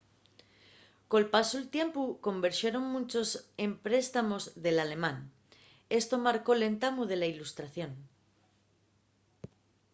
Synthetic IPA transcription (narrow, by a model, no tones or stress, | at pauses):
ko̞lpasolt̪je̞mpukõ̞mbeɾʃjeɾo̞ŋmũnt͡ʃo̞se̞mpɾe̞st̪amo̞zðe̞lale̞mãn | e̞st̪o̞maɾko̞le̞nt̪amuð̞e̞lailust̪ɾaθjõ̞n